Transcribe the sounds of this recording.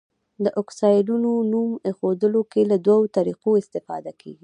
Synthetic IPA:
d̪əʔɔksɑjlunonumexod̪əlokelad̪wawot̪aɾiqoɪst̪ɪfɑ̰d̪akʰḛɡi

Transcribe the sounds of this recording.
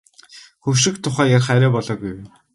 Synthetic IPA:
xɵwʃɪ̆kt̪ʰʊχæːjarχæɾæːpɔɮɔːɡuj

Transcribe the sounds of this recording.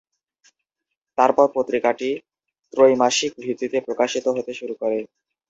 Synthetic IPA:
t̪aɾpɔɾpot̪ːɾikaʈi | t̪ɾojmaʃik̚bʱɾit̪ːit̪epɾokaʃit̪oɦot̪eʃuɾukoɾe

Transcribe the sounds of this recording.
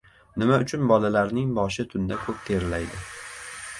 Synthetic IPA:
nɪmaʊt͡ʃʰʊnbɒlalaɾnɪŋbɒʃɪt̪ʰʊnd̪akʰɵp̚t̪ʰe̞ɾɪlajd̪ɪ

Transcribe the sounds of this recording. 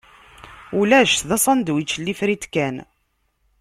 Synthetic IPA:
ulæʃt̪ðɑsˤɑnd̪wit͡ʃːəlːifɾit̪kːæn

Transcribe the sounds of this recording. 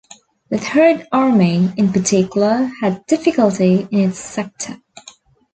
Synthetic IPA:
ðɨðhɜ˞dɑɹmiɪ̃npətʰɪkjl̩ˠəɨdɪfɪkəlˠtiɪ̃nɪtsɛk̚tʰə

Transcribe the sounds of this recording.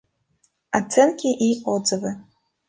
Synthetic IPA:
at͡sʰenkʲʰiʔiqʷʼod͡zɨvɨ

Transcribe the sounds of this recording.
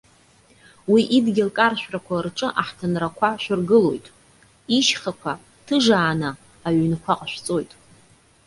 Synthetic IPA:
wiʔidɡʲɪlkʼarʃᶣrakʷʰarʈ͡ʂʼɨʔaħtʰanrakʷʰaʃʷᶣɪrɡɨlo̞̰jtʼ | iʃχakʷʰa | tʰɨʐaːnaː | ɥnkʷʰaqʼʃʷᶣt͡sʼojtʼ

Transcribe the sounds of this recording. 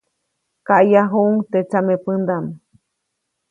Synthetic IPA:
kaʔjaɦuʔŋt̪et͡samepɨnd̪am

